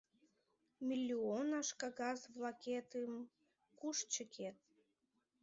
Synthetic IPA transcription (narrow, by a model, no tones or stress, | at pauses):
mʲilʲːionɑʃkɑɣɑzβlɑket̪əm | kuʃt͡ɕəkʰet̪̚